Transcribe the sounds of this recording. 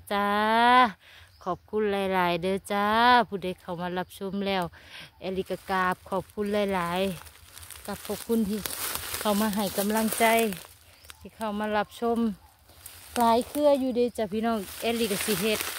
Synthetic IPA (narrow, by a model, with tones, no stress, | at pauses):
t͡ɕa˧ | kʰɔː˧˩p̚kʰu˧˥˨nlaː˨˧˦jlaː˨˦jdɤː˧˦t͡ɕa˧pʰuː˧˩da˧˩jkʰa˨˩wmaː˧˥˨la˧p̚sʰo˧˥˨mlɛː˧˩˨wʔɛː˧˩li˧ka˧˩kaː˧˩p̚kʰɔː˧˩p̚kʰu˧˥˨nlaː˧˩jlaː˨˦j | ka˧˩p̚kʰɔː˧˩p̚kʰu˧˥˨nt̪ʰiː˧˩kʰa˨˩wmaː˧ɦa˨˩jka˧˦˨mla˧˥˨ŋt͡ɕa˧j | t̪ʰiː˧˩kʰa˨˩wmaː˧˥˨la˧p̚sʰo˧˥˨m | laː˨˦jkʰɯ˧ɐ˨juː˧˦deː˧˦t͡ɕaː˧˩pʰiː˧nɔː˧˥˩ŋʔɛː˧li˧ka˧˩si˧ɦe˧˩t̪̚